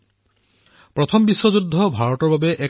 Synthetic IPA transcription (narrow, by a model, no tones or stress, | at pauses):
pɹɔt̪ʰɔmbiswɔzud̪ʱːɔbʱaɹɔtɔɹbabeʔe